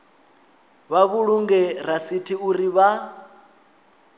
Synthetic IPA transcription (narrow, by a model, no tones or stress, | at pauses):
βaβuɺuŋɡɛɾasitʰiuɾiβa